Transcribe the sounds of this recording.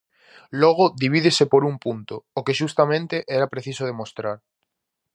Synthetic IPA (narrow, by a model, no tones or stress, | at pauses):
lɔɣ̞oðiβiðesepoɾumpunt̪oːkeʃust̪amẽnt̪eʔɛɾapɾeθisoð̞emost̪ɾaɾ